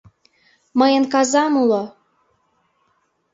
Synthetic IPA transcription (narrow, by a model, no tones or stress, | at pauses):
məjənkɑzɑmulo